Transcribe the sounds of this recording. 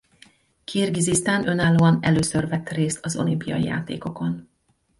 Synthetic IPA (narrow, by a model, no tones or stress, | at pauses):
kʰiːrɡizist̪aːnʔø̞naːlːoːɒnɛløːsørvɛt̪reːst̪ʰɒzo̞̰limpijɒ̰jḭja̰ːt̪ḛːko̞ko̞n